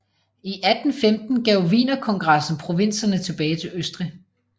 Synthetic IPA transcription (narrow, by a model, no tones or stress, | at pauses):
iʔæd̥n̩femd̥n̩ɡ̥ɛʊʋḭːnɐkʰɒ̽ŋɡ̥ʁɑ̈sn̩pʰʁo̝ʋe̝n̰sɐnət͡sʰe̝b̥ɛːɪt͡sʰe̝løsd̥ʁi